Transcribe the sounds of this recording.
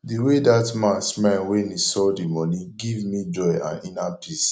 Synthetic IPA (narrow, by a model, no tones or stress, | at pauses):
diwedatmãnsmanwẽnisɔdimɔnĩɡivmid͡ʒɔɪã̰ninapʰis